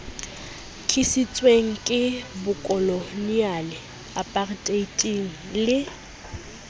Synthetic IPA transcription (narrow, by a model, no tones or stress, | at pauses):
kʰisit͡sʼweŋ̩kʼɪbʊkʼɔlonialɪ | apʼartʼeitʼiŋ̩ | lɪ